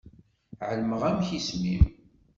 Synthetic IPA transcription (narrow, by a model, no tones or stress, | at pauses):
ʕəlməʁæmçismḭm